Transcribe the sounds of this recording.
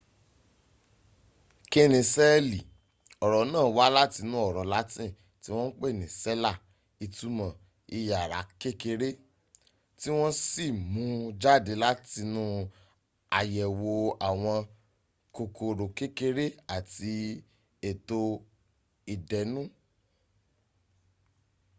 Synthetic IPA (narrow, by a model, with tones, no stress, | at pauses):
ke˦nĩ˨sɛ˦li˨ | ɔ˨ɾɔ˨˦nãː˦˨˦wa˦la˦ti˧nũ˨˦ɔ˦˨ɾɔ˨˦la˨˦tĩ˦˨ | ti˦w̃ɔ̃˦n̩˦k͡pe˦˨nĩ˨sɛ˦la˦˨ | i˧tu˨˦mã˨ | i˧ja˨ɾa˨˦ke˦ke˧ɾe˦ | ti˦w̃ɔ̃˦si˦˨mũ˨˦d͡ʒa˦˨de˨˧˦la˦ti˧nũ˦ | a˨jɛ˨wo˧a˨w̃ɔ̃˧ | ko˧kʰo˧ɾo˨ke˦ke˦ɾe˦a˨ti˧ | e˨to˧ | i˨dɛ˨˦nũ˦